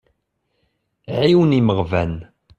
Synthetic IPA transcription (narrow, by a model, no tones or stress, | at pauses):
ʕiwəniməʁvæn